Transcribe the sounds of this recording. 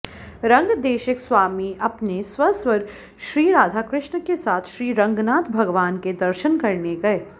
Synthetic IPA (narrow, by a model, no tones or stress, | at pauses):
ɾɐ̃ŋɡd̪eːʃəkswaːmiʔɐpneswɐsʋəɾ | ʃɾiːɾaːd̪ʱakɾɪʃɳəkesaːt̪ʰʃɾiːɾɐ̃ŋɡnaːt̪ʰbʱɐɡʋaːnked̪ɐɾʃənkɐɾneɡɐeː